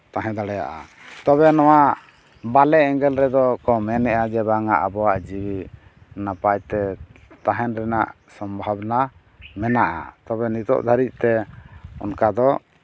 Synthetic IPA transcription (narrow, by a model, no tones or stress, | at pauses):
t̪aɦɛ̃d̪aɽɛja̰ʔa̰ | t̪ɔβɛnɔwa | balɛɛŋɡɛlɾɛd̪ɔkɔmɛnɛʔad͡ʒɛbaŋa̰ʔabɔwaʔd͡ʒiwi | napajt̪ɛt̪aɦɛnɾɛnaʔ | sɔmbʱabna | mɛnaʔa̰t̪ɔβɛnit̪ɔ̰ʔd̪ʱaɾic̪̚ˀt̪ɛɔ̰nkad̪ɔ